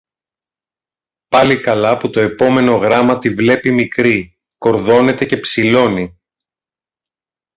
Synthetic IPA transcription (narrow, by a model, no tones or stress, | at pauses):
pɐlikɐlɐput̪o̞e̞po̞me̞no̞ɣɾɐmɐt̪ivle̞pimikɾi | ko̞ɾðo̞ne̞t̪e̞ce̞psilo̞ni